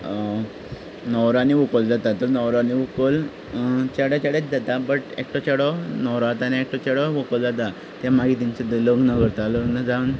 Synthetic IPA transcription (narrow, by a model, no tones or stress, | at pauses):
nɔwɾaniʋukold͡zat̪at̪əɾnɔwɾaaniʋukəl | t͡ɕaɽat͡ɕaɽet͡sd͡zat̪abəʈḛk̚ʈɔt͡ɕaɽɔnɔwɾat̪aniek̚ʈɔt͡ɕaɽɔʋokəld͡zat̪̬a | t̪jamaɡit̪iɲt͡sed̪ləɡnəkəɾt̪aləɡnəd͡zawn